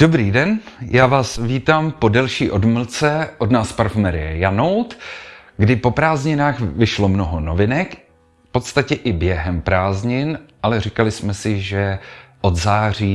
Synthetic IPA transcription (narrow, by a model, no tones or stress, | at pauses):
d̥obɾiːdɛnjaːvaːsviːt̪aːmpo̞dɛlʃiːʔo̞dml̩t͡sɛʔo̞dnaːspaɾfmɛɾɪjɛjanowt̪ | ɡdɪpo̞pɾaːzɲɪnaːxvɪʃlo̞mnoɦonovɪnɛk | fpo̞t̪st̪acɛʔɪbjɛɦɛmpɾaːzɲɪnʔalɛrikalɪsmɛsɪʒɛʔo̞d̪zaːr̝iː